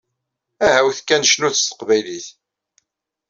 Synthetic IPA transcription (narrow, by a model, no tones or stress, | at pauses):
æhæwθkːænʃnuθst̪ːə̥qvæjliθ